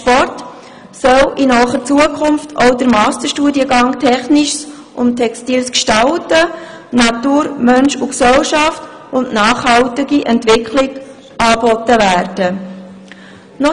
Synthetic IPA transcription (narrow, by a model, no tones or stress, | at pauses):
ʃpɔrt | sœlinɔχəɾt͡suəkʰʊmftʰɔʊdəɾmɑːstəɾʃtuːdiəɡɑŋtʰɛχnɪʃs | ʔʊntʰɛkstiːlskʃtɑltə | nɑtuːɾmœnʃʊksɛlʃɑft | ʊnʔnɑːχhɑltɪɡiʔɛntvɪkʰlɪɡ | ʔɑːbɔtəvæːɾd̥ə | nɔ